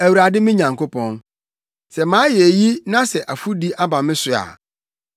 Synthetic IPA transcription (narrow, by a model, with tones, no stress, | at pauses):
æ˨wu˨ɾa˨dɪ˦mɪ̃˦ɲã˨ŋkʰo˦pʰɔ̃˦n | sɛ˨mãː˨˦jɛ˨ji˦nã˦sɛ˨ʔa˨fu˦di˦ʔa˦bã˨mɪ̃˦sʊ˨a̰˨